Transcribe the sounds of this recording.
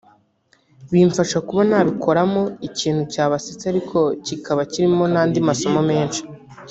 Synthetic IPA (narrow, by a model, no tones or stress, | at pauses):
βiːɱfaʃakuβanaːβikʰo̞ɾamo̞iciːn̥hucaːβasit͡saɾikʰo̞cikaβaciɾimo̞naːndimaso̞mo̞me̞ːnʃi̥